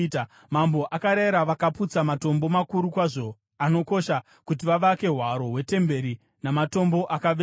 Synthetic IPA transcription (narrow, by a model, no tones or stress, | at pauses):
t | mambo̞ʔakaɾaiɾaʋakaput͡samato̞mbo̞makuɾukwaʐo̞ | ano̞ko̞ʃa | kut̬iʋaʋake̞ɦwaɾo̞ɦwe̞te̞mbe̞ɾi | namato̞mbo̞ʔakaʋ